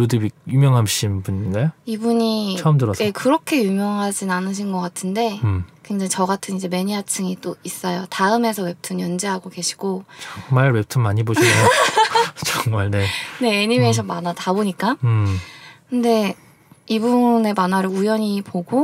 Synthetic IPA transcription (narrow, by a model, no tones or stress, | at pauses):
odibijumjʌŋɦamɕ͈inbuɲinɡajoibuɲit͡ɕʰʌɯmdɯɾʌsjekɯɾʌkʰe̞jumjʌŋɦad͡ʑinnanɯɕ̬ʰinɡʌk͈atʰɯnde̞kweŋd͡ʑaŋit͡ɕʌɡatʰɯnid͡ʑe̞me̞ɲiat͡ɕʰɯŋit͈ois͈ʌjotaɯme̞sʰʌwe̞p̚tʰɯnjʌnd͡ʑeɦaɡoɡe̞ɕʰi̥ɡ̥okmaɭwep̚tʰɯnmaɲiboɕio | t͡ɕʌŋmaɭne̞ne̞ːɲime̞ɕʰʌnmanataboɲik͈aɯkɯnde̞ | ibune̞manaɾɯɭujʌɲipoɡo